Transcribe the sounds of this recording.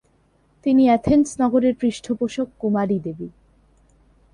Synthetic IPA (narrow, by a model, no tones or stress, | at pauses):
t̪iniɛt̪ʰensnɔɡoɾeɾpɾiʃʈʰopoʃokːumaɾid̪ebi